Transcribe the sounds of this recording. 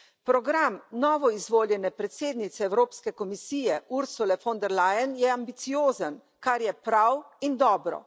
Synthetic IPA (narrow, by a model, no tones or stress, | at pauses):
pɾɔɡɾamnɔːʋɔizʋoːljɛnɛpɾɛt̪seːd̪nit̪sɛːwɾoːpskɛkɔmisiːjɛuɾsulɛfɔnd̪ɛɾlajənjɛambit̪sijoːzən | kaɾjɛpɾawind̪ɔːbɾɔ̰